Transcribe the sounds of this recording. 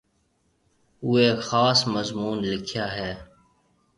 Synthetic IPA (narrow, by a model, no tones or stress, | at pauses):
ʊeːkxaːsməzmuːnlɪkʰjaːɦɛː